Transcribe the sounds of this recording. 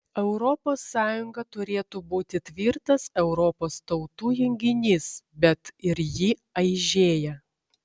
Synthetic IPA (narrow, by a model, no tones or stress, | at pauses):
ɛʊɾɔpoːsːɑːjʊŋɡɐt̪ʊɾʲeːt̪uːbuːt̪ʲɪt̪ʲʋʲiːɾt̪ɐsɛʊɾɔpoːst̪ɒʊt̪uːjɛŋʲɡʲɪnʲɪsbʲɛt̪ɪɾjiɐɪʒʲeːjɛ